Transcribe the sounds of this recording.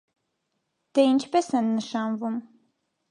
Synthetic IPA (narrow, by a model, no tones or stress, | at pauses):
d̪̥ɛint͡ʃʰpɛsɛnːəʃɑnvum